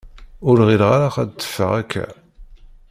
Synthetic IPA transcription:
ʊɾʁilʁaɾaχæd̪t̪ːə̥fːə̰ʁækʰːæ̰

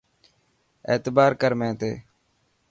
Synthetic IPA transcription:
ḛːt̪baːɾkəɾmẽːt̪ḛː

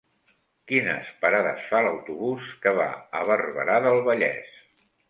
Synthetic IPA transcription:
kinə̰spəɾaðə̰sfaləwt̪uβuskəβa̰əβərβəɾaðəlˠβəʎɛ̰s

